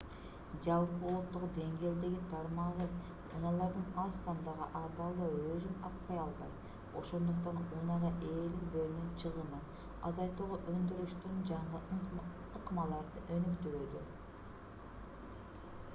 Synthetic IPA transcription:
d͡ʒɑlˠpəolˠot̪ːoʁd̪e̞ŋɡʲe̞ːld̪e̞ɡʲit̪ʰɑɾmɑʁə | ṵnɑlˠɑɾd̪ənɑssɑnd̪ɑʁə̰ʔɑbɑlˠd̪ɑøzynɑq̪pɑjɑlˠbɑ̰j | o̞ʃo̞nd̪uq̚t̪ɑnunɑʁɑʔe̞likbølynynt͡ʃʰɯʁəmɯ | ɑ̰zɑjt̪uʁoʔønd̪yɾyʃt̪ynd͡ʒɑɴə | qmɑlˠɑɾd̪əʔønykt̪yɾyd̪y

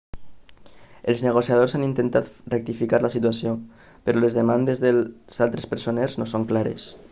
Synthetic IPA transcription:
elˠzneɣ̞osjað̞ozanint̪ent̪at̪rek̚t̪ifikaɾlasit̪uasjo | peɾɔlezðemand̪ezðezalˠt̪ɾespeɾsoneɾznosoŋklaɾḛs

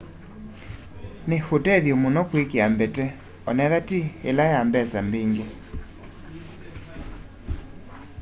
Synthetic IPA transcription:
nehotɛðjomonɔkwekeambɛtɛ | ɔnɛðatiḛlajambɛsambeŋɡe

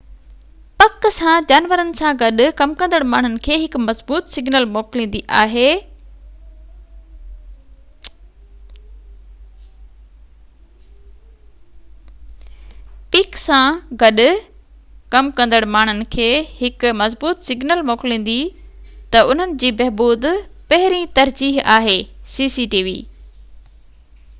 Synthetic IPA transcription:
pɐksãd͡ʑaːnʋəɾənɪ̆sãɡɐɗʊ̆kɐmkɐ̃nd̪əɽmaːɳ̤ʊnɪ̆kʰeːɦɪkmɐzbuːt̪sɪɡnəlmoːklĩːn̆d̪iʔaːɦeː | pɪksãɡɐɗʊ | kɐmkɐ̃nd̪əɽmaːɳ̤̃ʊnɪ̆kʰeːhɪkʊmɐzbuːt̪sɪɡnəlmoːklĩːn̆d̪it̪ɐʊn̤ənɪ̆d͡ʑiːbɐɦbuːd̪pɐɦɪɾĩt̪ɐɾd͡ʑiːɦaːɦeːsiːsiʈiːʋḭː

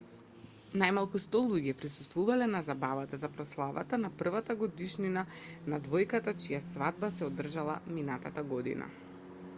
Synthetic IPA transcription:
najmalˠkust̪ɔlˠuɟɛpɾisu̥st̪vuvalɛnazabavat̪azapɾɔslˠava̰t̪anapr̩vat̪aɡɔd̪iʃninanad̪vɔjkat̪at͡ʃijasvad̪̚basɛɔd̪r̩ʒalˠa̰minat̪at̪aɡɔd̪ḭna̰

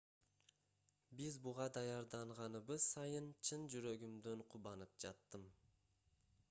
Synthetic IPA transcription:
bizbuʁɑd̪ɑjɑɾd̪ɑɴʁɑnɯβɯz̥sɑjɯnt͡ʃʰɯnd͡ʒyɾø̞ɡymd̪øɴqʰuβɑnɯp̚d͡ʒɑt̪ːɯm

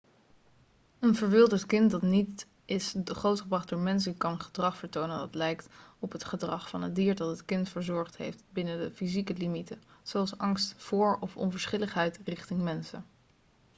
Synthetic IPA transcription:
ənvəɹʋɪlˠdəɹtkɪntdɑtnit | ɪsχowtχəbrɑχd̚dʊːɹmɛns̬əkɑnχədrɑχfəɹtownəndɑ̰tlɛjktɔpɦətχədrɑχfɑnədiːɹdɑtətkɪntfəɹzɔɹχtɦḛjftbɪnədəfizikəlimitəzowɑlˠsɑŋstfʊːɹɔfɔ̰nvəɹsχɪləχɦɛjtrɪχtɪŋmɛnsə̰n

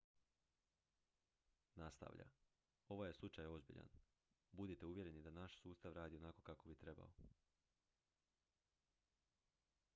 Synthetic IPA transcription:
nast̪a̰ʋʎa̰ | o̞ʋaje̞slˠut͡ʃajo̞zbḭʎa̰n | bud̪it̪e̞uʋje̞ɾe̞nid̪anaʃsuːst̪aʋɾaːd̪io̞nako̞kako̞bit̪ɾe̞ba̰o

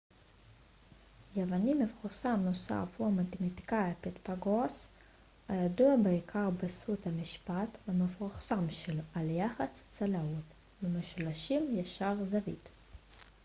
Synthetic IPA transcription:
jevanimefχusamnosa̰fhuamat̪emat̪i̥kajapet̪paɡos | ajad̪uabeikʰaʁbesut̪hamiʃpat̪vamefuχsamʃelʔaljaχat͡st͡salaut̪ | vemeʃulaʃimjaʃaʁzavḭt̪

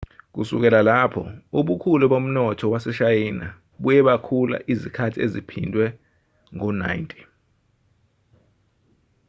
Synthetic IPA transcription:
k̬usuk̬ɛlalapʰɔ̰uɓukʰulɛɓom̩nɔtʰɔwasɛʃajiːna | ɓujɛɓakʰula̰ʔizikʰatʰiezipʰindʱwɛ | ŋɔna̰jntʼi̥

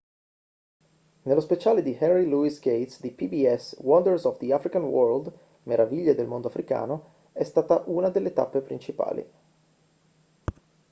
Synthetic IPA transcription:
nelːospet͡ʃaːled̪ihɛnriluisɡejt̪sd̪ipibiɛswɔnd̪ərsɔvd̪iafɾikanwɔɾld̪ | meɾaviʎːed̪elmond̪oafɾika̰ːno | ɛst̪aːt̪aʔunad̪elːet̪a̰pːepɾint͡ʃipa̰ːlḭ

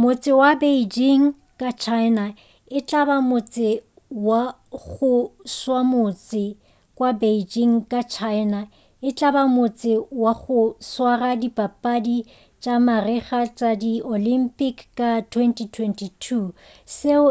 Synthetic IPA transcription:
mʊt͡sʼɪwabed͡ʒiŋ̩ | kʼat͡ʃʰaɪna | ɪt͡ɬʼabamʊt͡sʼɪ | wa | ɣʊswamʊt͡sʼɪ | kʼwabeid͡ʒiŋ̩kʼat͡ʃʰaɪna | ɪt͡ɬʼabamʊt͡sʼɪwaɣʊswaradipʼapʼadi | t͡ʃʼamarɪχat͡ʃʼadiolimpʼikʰkʼatʰwɛntʰʼitʰwɛntʰitʰu | se

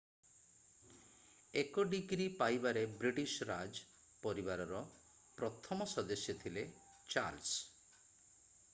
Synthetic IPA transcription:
ekɔɖiɡɾipajbaɾebɾiʈiʃɾad͡ʒ | pɔɾibaɾɔɾɔ | pɾɔt̪ʰɔmɔsɔd̪esjɔt̪ʰile | t͡ʃa̰ɾls

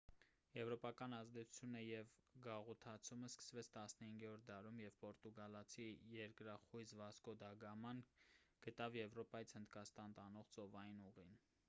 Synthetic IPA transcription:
jɛvɾɔpɑkɑnɑzd̪ɛt͡sʰu̥t͡sʰjunəjɛvɡɑʁut̪ʰɑt͡sʰuməskə̥svɛt͡sʰt̪ɑsnəhiŋɡɛɔɾd̪ɑɾumjɛvpɔɾt̪uɡɑlɑt͡sʰijɛɾkɾɑχujzvɑskɔd̪ɑɡɑmɑnɡ̥ət̪ɑvjɛvɾɔpɑjit͡sʰhənd̪kɑst̪ɑnt̪ɑnɔʁt͡sɔvɑjinuʁin

